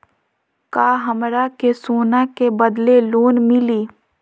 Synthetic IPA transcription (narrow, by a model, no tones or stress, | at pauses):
kaːɦɐmɾakesoːnakebəd̪leloːnmɪliː